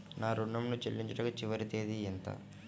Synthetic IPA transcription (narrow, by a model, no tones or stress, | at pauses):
naːɾuɳːɐmnut͡ʃḛlːiɲt͡ʃɐʈɐkɐt͡ʃiʋɐɾit̪eːd̪iɛnt̪a̰